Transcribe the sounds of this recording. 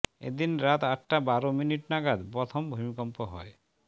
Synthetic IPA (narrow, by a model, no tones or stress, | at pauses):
ḛd̪inɾat̪aʈʈabaɾominiʈnaɡad̪pɾɔt̪ʰɔmbʱomikɔmpɔɦɔe